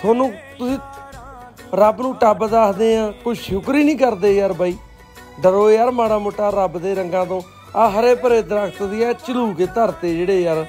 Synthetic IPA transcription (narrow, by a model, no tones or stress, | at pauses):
t̪ʰoːnũːt̪ʊsĩː | ɾəbnũːʈəbd̪aːkd̪eːãːkʊʃʊkɾiːnĩːkəɾd̪eːjəɾbaːiː | d̪əɾoːejaːɾmaːɽaːmoːʈːaːɾəbd̪eːɾəŋɡãːt̪õː | aːɦəɾeːpəɾeːd̪əɾəkʰt̪d̪iɛːt͡ʃəluːkeːt̪əɾt̪eːd͡ʒeːɽeːjaɾ